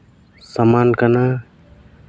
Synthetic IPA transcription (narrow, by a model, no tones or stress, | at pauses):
samaːnkəna